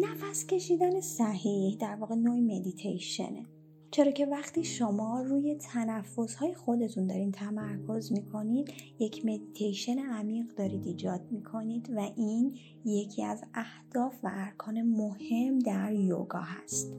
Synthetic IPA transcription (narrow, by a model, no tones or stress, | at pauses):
næfæscʲʰe̞ʃiːd̪æne̞sæhihd̪æɾvɒːɣe̞noːime̞d̪it̪ʰejʃe̞̰nḛ | t͡ʃʰeɾɒːcʰe̞væχt̪iːʃomɒːruːje̞t̪ʰænæfːo̞z̥hɒːjexo̞d̪e̞t̪ʰund̪ɒːɾiːt̪ʰæmæɾkʰo̞zmikʰo̞nid̪̥je̞cʰme̞d̪it̪ʰejʃe̞neæmiːɢd̪ɒːɾiːd̪iːd͡ʒɒːd̪̥̚mikʰo̞niːd̪væʔin | je̞cʰiæzæhd̪̥ɒːfvæʔːɾkʰɒːne̞mohe̞md̪æɾjo̰ɡɒ̰ːɦæst̪